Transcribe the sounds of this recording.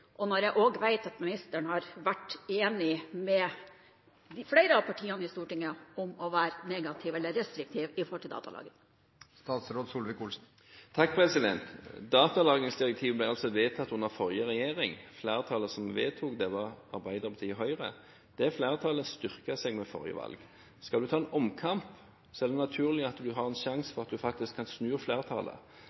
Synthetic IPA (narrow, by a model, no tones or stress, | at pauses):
ʔɔnɔɾjæʔoːɡʋæɪt̪ɑt̪mɪnɪst̪əɳəhɑɾʋæʈːeːnɪmɛ | d̪ɪfleɪɾəɑʋpʰɑʈʰiːɑnəɪst̪uːʈɪŋːəɔmɔʋæːɾneːɡɑt̪ʰɪʋɛlːəɾɛst̪ɾɪk̚t̪ʰiːʋɪfɔɾhɔlt̪ɪld̪ɑ̰t̪ɑ̰lɑ̰ːɡən | st̪ɑːt̪sɾoːd̪suːlʋɪkʊlsn̩ | t̪ʰɑk̚ːpʰʁɛsɪd̪ɛ̰nt̪d̪ɑːt̪ɑlɑːɡənsd̪ɪʁɛk̚t̪ʰiːʋblæɪɑlsɔʋeːt̪ʰɑt̪ːʊnːəʁfɔɾjəʁɛjeːʁɪŋfleːʁt̪ʰɑːləsɔmʋeːt̪ʰuːkd̪ɛʋɑʁɑʁbæɪd̪əʁpɑt̪ʰiːəɦœʏʁə̰ | d̪̥ɛfleːʁt̪ʰɑːləst̪ʏʁkəsɛɡmɛfɔ̰ʁjə̰ʋɑ̰lɡ | skɑld̪ʉt̪ʰɑːɛnɔmkʰɑmp | sɔɛːd̪ɛnɑt̪ʰʉːʁlɪɑt̪d̪ʉɦɑʁɛnʃɑŋsfɔʁɑt̪̚d̪ʉfɑkt̪ɪskʰːɑnsnʉːʁfleːʁt̪ʰɑ̰ːlə̰